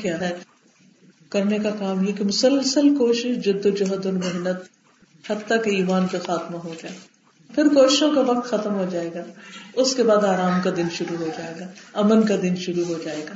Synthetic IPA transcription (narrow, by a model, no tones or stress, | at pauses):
kjaːɦɛː | kɐɾnekakaːmjekemʊsəlsəlkoːʃɪʃd͡ʒʊd̪ːod͡ʒoɦəd̪ʊnmeɦnət̪̚ | hɐdt̪ːakeiːmaːnkaxaːt̪maɦod͡ʒaːe | pʰɪɾkoːʃɪʃõkaʋɐk̚t̪xɐt̪əmɦod͡ʒaːeːɡaːʊskebaːd̪aːɾaːmkad̪ɪnʃʊɾuɦod͡ʒaːeːɡaːɐmənkad̪ɪnʃʊɾuɦod͡ʒaːeːɡaː